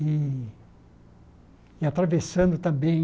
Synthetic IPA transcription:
i | ɪat̪ɾavesɐ̃nd̪ʊt̪ɐ̃mbẽj̃

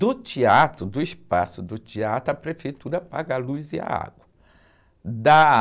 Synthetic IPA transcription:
d̪ʊt͡ʃiat̪ɾʊd̪ʊispa̰sʊd̪ʊt͡ʃiat̪ɾʊɐpɾefejt̪uɾɐpaɡalujzia̰a̰ɡwɐ | d̪a

